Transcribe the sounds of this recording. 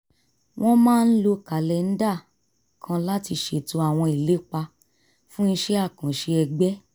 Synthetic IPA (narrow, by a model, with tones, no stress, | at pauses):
w̃ʔɔ̃˦mãː˦˧n̩˦lo˧ka˨lɛ˨n̩˦da˦˨ | kʰã˧la˦ti˧ʃe˨to˦a˦˨w̃ɔ̃˧i˨le˦k͡pa˧ | fũ˦n̩˧ʃɛ˦a˦˨kã˨ʃe˧ɛ˧ɡ͡bɛ˦